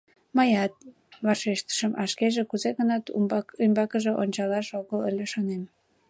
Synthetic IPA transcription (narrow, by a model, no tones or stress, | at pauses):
mɑjɑt̪̚ | βɑʃeʃt̪ə̥ʃəmʔɑʃkeʒekuzeɣənɑt̪ymbɑkəʒeʔonʲt͡ɕɑlɑʃoɣələlʲeʃonem